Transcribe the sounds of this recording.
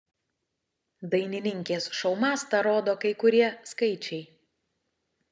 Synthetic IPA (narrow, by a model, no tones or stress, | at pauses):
d̪ɐɪnʲɪnʲɪŋʲkʲeːsʃɒʊmɑːst̪ɐɾoːd̪oːkɐɪkʊɾʲiɛskɐɪt͡ʃʲɛɪ